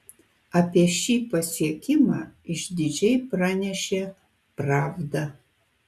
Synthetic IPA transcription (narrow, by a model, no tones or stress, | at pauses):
apʲɛʃiːpɐsiɛkʲʰɪma̰ɪʃdʲɪd͡ʒɛjpranʲɛʃʲe | praːvdɐ